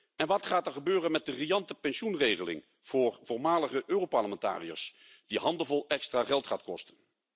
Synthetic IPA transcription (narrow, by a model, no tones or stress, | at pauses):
ɛnʋɑtχaːtɛɹχəbøːrənmɛt̚dərijɑntəpɛnsunrejχəlɪ̰ŋ | v̥ʊːɹvʊːɹmaːləχəʔøːrowpɑɹləmɛnta̰ːrijə̰ɹs | d̥iɦɑndəvɔlˠɛkstraːχɛlˠtχaːtkɔstən